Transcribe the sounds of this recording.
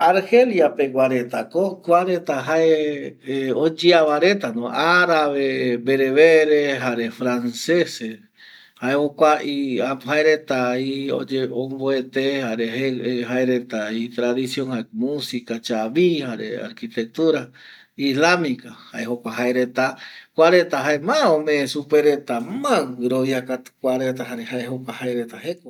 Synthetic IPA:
aɾheljapeɡwaɾet̪akokʷaɾet̪aɦae | od͡ʒiaβaɾe̞t̪anõaɾaβebeɾeβeɾeɦaɾefɾansese | haehokʷaʔiahaeɾet̪aio̰d͡ʒeõmboet̪ehaɾeɦeeɦaeɾet̪ait̪ɾaðisjoŋhaemũsikat͡ʃaβihaɾḛa̰ɾkit̪ek̚t̪uɾa | islamikahaeɦokʷaɦaeɾet̪akʷaɾet̪aɦaemãõmẽːsupeɾet̪amãɾoβjiakat̪ɨ̥kʷaɾet̪aɦaɾehaeɦokʷahaeɾet̪aheko

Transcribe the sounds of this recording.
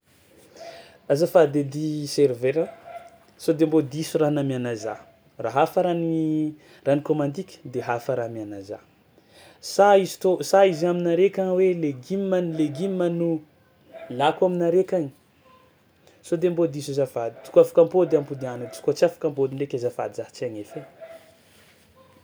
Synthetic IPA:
azafad̪ed̪iseɾveɾa | sod̪embod̪isuranamianaza̰ | raɦafəɾani | ranikomand̪ikʲə̥d̪eɦafəɾamianaza̰ | saizi̥t̪osaizaminaɾekʲaweleɡimmanleɡimmanu | lakwaminaɾekʲaŋi̥ | sod̪embod̪isizavad̪i̥t̪u̥kafḁkampod̪eampud̪ianət͡si̥kot͡siafḁkampod̪inrekʲazafa̰d̪izaht͡siaŋefe

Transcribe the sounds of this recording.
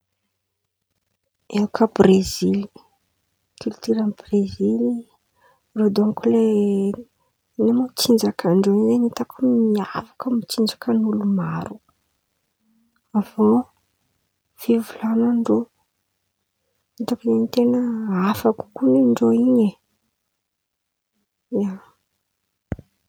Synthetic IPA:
eukʰəbrezili̥ | kylt̪yɾanbrezili | rod̪amkule | nemomit͡sind͡zakʰaɳɖ͡ʐoiɲizenit̪akʰumiavakəmit͡sind͡zakənulumaɾu | ava | fivulanaɳɖ͡ʐo | it̪okineɲit̪enəafaku̥kuneɳɖ͡ʐoiɲe | ja

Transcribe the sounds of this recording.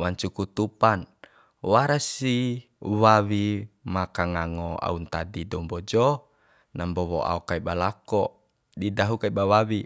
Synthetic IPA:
waɲt͡ʃukut̪upan | waɾasi | wawimakaŋaŋɔa̰unt̪adidɔmbɔd͡ʒɔ | nambɔwɔ̰a̰ɔkaibalakɔ | didaɦukaibawawi

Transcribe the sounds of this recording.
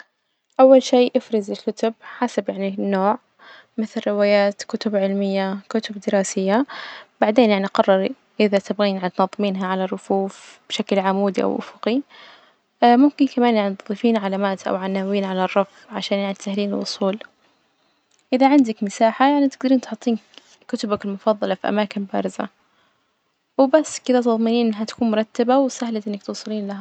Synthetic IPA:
ʔawːalʃiːʔɪfɾɑzɪlkʊt̪ʊbħasabjaʕninːoːʕ | mɪθlɾɪwaːjaːt̪kʊt̪ʊbʕɪlmɪjːakʊt̪ʊbd̪ɪɾɑːsɪjːab̥aʕd̪eːnjaʕniʔqɑrˤːɑɾˤ | ʔɪðat̪ɪbɣiːnʕt̪nɑðˤːɨmiːnɦaʕalarˤːʊfuːfb̥ʃaklʕamuːd̪iʔa̰wʔʊ̰fʊqi | mʊmkɪnkamaːnjaʕnit̪ðˤifiːnʕalamaːt̪ʔa̰wʕanaːwiːnʕalarˤːɑfɣʕaʃaːnjaʕnit̪ahliːnɪlʔʊ̰sˤuːl | ʔɪðaʕɪnd̪akmɪsaːħajaʕnit̪ɪɡ̚d̪aɾiːnt̪ħʊt̪ˤːiːn | kʊt̪ʊbakɪlmʊfɑðˤːɑlɑfiʔa̰maːkɪnbaɾˤɪza̰ | wbasːkɪd̪at̪ɨðˤmɪniːnʔɪnːɦat̪ḁkuːnmʊɾˤɑt̪ːabawsahlat̪ʔɪnːak̚t̪uːsˤɨliːnlaɦa

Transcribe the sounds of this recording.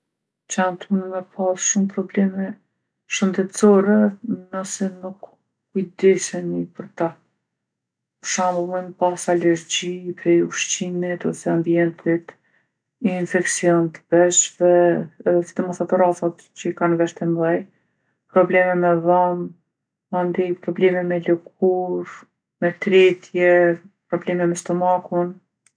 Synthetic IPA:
t͡ʃant̪unmɛpalˠʃumpɾɔblɛmɛ | ʃənd̪ɛt̪t͡sɔɾɛnəsɛnuk | kːujd̪ɛʃɛnipəɾt̪a | ʃammɔnpasalɛɾɟipɾɛjuʃcinit̪ɔsɛambiɛnt̪ʰit̪ | infɛksiɔnt̪ə̥b̥ɛʃvɛsi̥t̪əmɔsat̪uɾafat̪ | t͡ɕəikanvɛʃt̪ɛmlˠaj | pɾɔblɛmɛmɛðam | and̪ipɾɔblɛmɛmɛləɡuɾ | mɛt̪ɾɛt̪ʰjɛpɾɔblɛmɛmɛst̪ɔmakun

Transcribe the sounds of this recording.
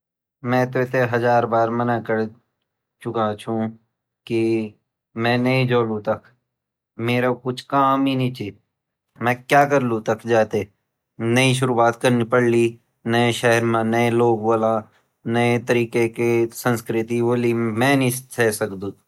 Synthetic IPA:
mɛ̃ːt̪et̪eɦəzaːɾbaːɾmənakəɾ | t͡ʃʊkãt͡ʃʰũ | ki | mɛ̃ːnɐĩd͡ʒoːlũt̪ɐkʰ | meːɾakʊt͡ʃʰkaːminĩːt͡ʃi | mɛ̃ːkjaːkəɾlut̪əkʰd͡ʒaːt̪e | nəĩʃ̬ʊɾuːaːt̪kəɾnipəɽliː | nəeʃɛɦəɾmãnəeloːɡboːlãː | nəet̪əɾiːkekesə̃nskɾɪt̪iboːlimɛ̃ːnĩt̪ʰɛːsəkd̪ũː

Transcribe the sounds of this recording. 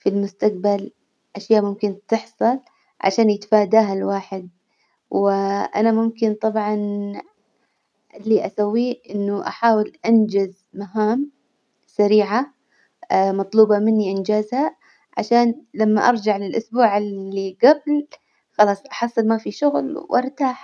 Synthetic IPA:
filmʊst̪aq̚bal | ʔaʃjaːʔmʊmkɪnt̪ɨħsˤɑl | ʕa̰ʃaːnjɪt̪ḁfaːd̪aːɦalwaːħɪd̪̚ | wɪʔa̰namʊmkɪnt̪ˤɑbʕɑn | ʔɪlːiʔasawːiːʔɪnːʊʔa̰ħaːwɪlʔand͡ʒɪz | maɦaːm | saɾiːʕa | mɑt̪ˤluːbɑmɪnːiʔɪnd͡ʒaːzha | ʕa̰ʃaːnlamːaʔɑɾˤd͡ʒaʕlɪlʔʊsbuːʕɪlːiɡabl | xɑlɑːsˤʔɑħɑsˤːɨlmafiʃʊɣlwʔɪ̰ɾt̪aːħ

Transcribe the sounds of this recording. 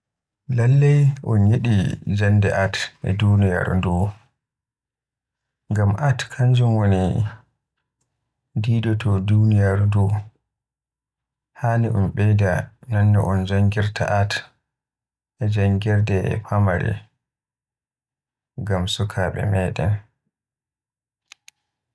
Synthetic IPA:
lalːɛjʔɔnjeɗid͡ʒandɛʔatʔɛ̰dunija̰ɾdu | ŋɡamʔatkʰaɲd͡ʒumwoni | diːdɔtɔdunijaɾdu | haniʔɔ̰nɓɛjdananːɛʔɔnd͡ʒaŋɡiɾtʰa̰ʔat | ʔɛd͡ʒaŋɡɛɾdɛ̰pʰamaɾɛ̰ | ɡamsukʰaɓɛ̰mɛːdɛ̰n

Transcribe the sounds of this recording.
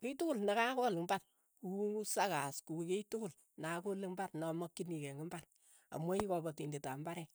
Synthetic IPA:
kitukulnakakɔlɪŋbat | kuwuŋusakaskuketukul | nakolɪŋbatnɔmɔkːinikeŋɡimbat | a̰mɔikɔbɔtindetambaɾɛ

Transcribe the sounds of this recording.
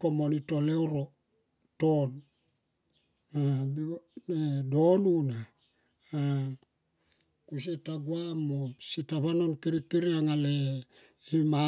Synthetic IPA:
komonitoleuɾo | ton | abinedonuna | a | kus̬itaɡuamositaβanonkiɾikiɾiaŋale | ima

